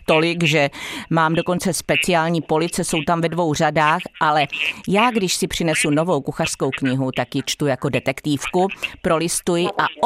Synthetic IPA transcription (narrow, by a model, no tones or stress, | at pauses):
t̪olɪɡʒɛmaːmdoko̞nt͡sɛspɛt͡sɪaːlɲiːpo̞lɪt͡sɛso̞wt̪amvɛdvo̞wr̝adaːxʔalɛjaːɡdɪʃsɪpr̝̥ɪnɛsunovo̞wkuxar̥sko̞wkɲɪɦut̪akjɪt͡ʃt̪ujako̞dɛt̪ɛkt̪iːfkupɾo̞lɪst̪ujɪʔaʔ